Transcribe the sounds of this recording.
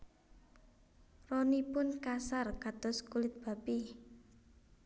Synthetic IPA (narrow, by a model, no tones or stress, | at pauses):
rɔnipʊnkasarkat̪ʊskulɪt̪̚b̥a̤pi